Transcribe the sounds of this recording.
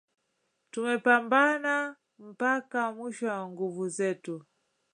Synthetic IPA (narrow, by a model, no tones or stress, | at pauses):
tumɛpambana | m̩pakamiʃɔwaŋɡuvuzɛtu